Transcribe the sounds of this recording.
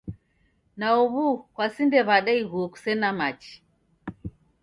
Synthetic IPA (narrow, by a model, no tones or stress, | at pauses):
naɔβukwasindɛβaɗɛiɣuɔku̥sɛnamat͡ʃi̥